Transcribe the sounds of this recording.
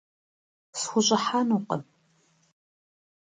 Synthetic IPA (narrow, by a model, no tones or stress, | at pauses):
sxʷʊɕʼɐħanuqʼə̰p̚ʼ